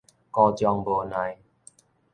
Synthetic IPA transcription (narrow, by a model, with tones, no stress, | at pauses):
kɔ˧t͡ɕjɔ˧ŋbo˨˦nã˨˦j